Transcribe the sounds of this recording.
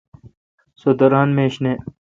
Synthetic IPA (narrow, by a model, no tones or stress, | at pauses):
sod̪ɐɾaːnmẽːɕne